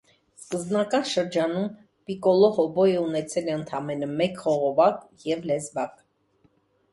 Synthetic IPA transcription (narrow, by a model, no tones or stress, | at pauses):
skəzbnɑkɑnʃəɾd͡ʒɑnum | pikɔlɔhɔbɔjəunɛt͡sʰɛlɛənt̪ʰɑmɛnəmɛkχɔʁɔvɑk | jɛvlɛzbɑk